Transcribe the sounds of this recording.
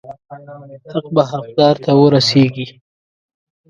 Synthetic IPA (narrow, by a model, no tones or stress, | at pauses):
haqbaɦaq̚d̪ɑɾt̪awəɾaseɡi